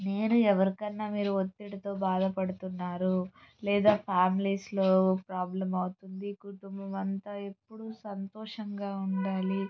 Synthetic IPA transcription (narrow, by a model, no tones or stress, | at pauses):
ne̞ːnuɛʋɐɾikɐnːaːmiːɾuot̪ːiʈɐt̪o̞ːbaːd̪ɐpɐɽut̪unːaːɾulɛːd̪aːpʰaːmiliːsloːpɾaːblɐmɐwut̪und̪ikuʈumbɐmɐnt̪aːe̞pːuɽusɐnt̪ɔːʂɐŋɡaːuɳɖaːli